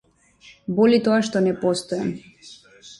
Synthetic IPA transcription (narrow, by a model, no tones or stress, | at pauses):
bɔlit̪ɔaʃt̪ɔnɛpɔst̪ɔjam